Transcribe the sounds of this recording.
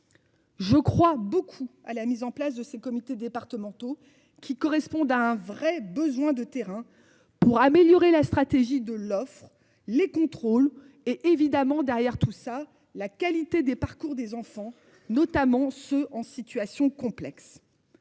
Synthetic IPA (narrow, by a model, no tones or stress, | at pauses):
ʒəkχwabokʰualamizɑ̃plasd̪əsekɔmit̪ed̪epaʁt̪əmɑ̃t̪o | kʲʰikɔʁɛspɔ̃d̪aɛ̃vʁɛbəzwɛ̃d̪ət̪eʁɛ̃ | puʁameljɔʁelast̪χat̪eʒid̪əlɔfχ | lekɔ̃t̪χol | eʔevid̪amɑ̃d̪ɛʁjɛʁt̪usa | lakʲalit̪ed̪epaʁkuʁd̪ezɑ̃fɑ̃ | nɔt̪amɑ̃søʔɑ̃sit̪ɥasjɔ̃kɔ̃plɛks